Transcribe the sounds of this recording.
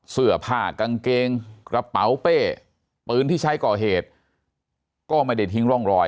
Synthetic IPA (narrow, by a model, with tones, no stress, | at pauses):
sɯ˨˩ɐpʰaː˧˩ka˧ŋkeː˧ŋkɾa˧pa˩˦wpeː˥˩ | pɯː˧nt̪ʰiː˥˩t͡ɕʰa˦˥jkɔː˨˩ɦeː˨˩t̪̚ | kɔː˥˩maː˧da˧˩t̪ʰi˦˥ŋɾɔ˥˩ŋɾɔː˧j